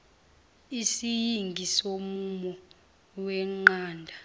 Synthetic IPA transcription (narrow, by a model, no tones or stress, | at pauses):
isijiŋɡʱisomumɔ | wɛŋ͡ǃaːndʱa